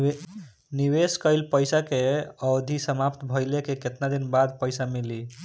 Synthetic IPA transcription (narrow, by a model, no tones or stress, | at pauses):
niweskəɪlpəjsakeəd̪ʱisəmapt̪bʱəjlekeket̪nad̪inbad̪̚pəɪsamili